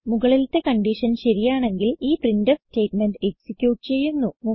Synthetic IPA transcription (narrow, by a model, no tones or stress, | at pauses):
muɣɐɭilt̪ːe̞kɐɳɖiʂɐnɕɐɾijaːɳe̞ŋɡiliːprindɐfste̞ːʈmenɖeksikʲːjuːʈɨt͡ɕe̞jːunːumu